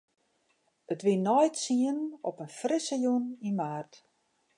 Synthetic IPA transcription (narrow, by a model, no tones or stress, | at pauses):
ətʋinɔjtsiənɔpənfrɪsəjunimaːrt